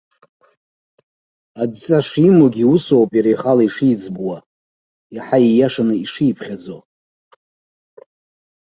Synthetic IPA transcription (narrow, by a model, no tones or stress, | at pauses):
adt͡sʼaʂimoɡʲiuso̞wpʼjaɾajχalaiʂid͡zbwa | jaħaijaʂanɨiʂijpʰχʲad͡zo